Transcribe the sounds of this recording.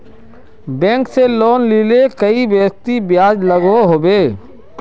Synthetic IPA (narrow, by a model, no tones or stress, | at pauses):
bɛ̃ːŋkseloːnliːlekəibjəːst̪ibjaːd͡ʒləɡoɦoːbeː